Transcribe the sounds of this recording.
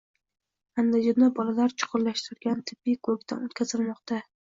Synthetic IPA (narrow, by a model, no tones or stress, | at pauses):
and̪ad͡ʒɒnabɒlalaɾt͡ʃʰʊ̥qʰʊɾlaʃt̪ɪɾɡʲant̪ʰɪ̥b̥ːɪjkʰɵkʲd̪a̰not̪kʲʰazɪlmɒqt̪a